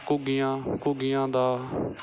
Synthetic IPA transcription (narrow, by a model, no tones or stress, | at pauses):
kʊɡɪjãːkʊɡɪjãːd̪aː